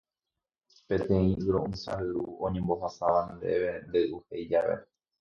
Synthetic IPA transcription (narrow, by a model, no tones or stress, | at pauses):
pẽ̞t̪ẽ̞ĩʔɨɾõʔɨ̃sa̰hɨuõɲẽ̞mbo̞ɦasaʋand̪e̞ʋe̞nd̪eʔuhejd͡ʒaʋe̞̰